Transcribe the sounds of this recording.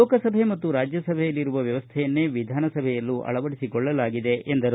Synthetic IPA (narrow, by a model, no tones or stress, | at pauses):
ɔːkɐsɐbʱe̞mɐt̪ːuɾaːd͡ʒjɐsɐbʱɛjɐlːiɾuʋɐʋjɐʋɐst̪ʰɛjɐnːeːʋid̪ʱaːnɐsɐbʱɛjɐlːuʔɐ̰ɭɐʋɐɽisikɔɭːɐlaːɡid̪e̞ʔend̪ɐɾ